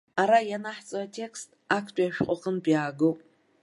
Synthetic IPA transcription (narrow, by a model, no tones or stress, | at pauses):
aɾajanaħt͡sʼoatʰe̞kʰstʰʼakʰtʰʼajaʃᶣqʷʼaqʼənpʼjaːɡowpʼ